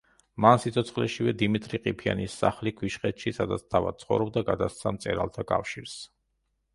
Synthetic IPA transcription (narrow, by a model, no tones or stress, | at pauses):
mansit̪sʰɔt̪sʰχlɛʃivɛd̪imit̪ʼɾiqʼipʰia̰nisːa̰χlikʰwiʃχɛt̪ʃisad̪at̪sʰt̪ʰava̰d̪̚t̪sʰχɔvɾɔb̚d̪aɡad̪ast̪sʰamt̪sʼɛ̰ɾa̰lˠt̪ʰakʼa̰fʃiɾs